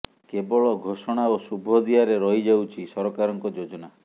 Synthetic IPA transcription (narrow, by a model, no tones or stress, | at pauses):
kebɔɭɔɡʱosɔɽ̃aosubʱɔd̪iaɾeɾɔɦid͡ʒawt͡ʃʰisɔɾɔkaɾɔŋkɔd͡ʒod͡ʒɔna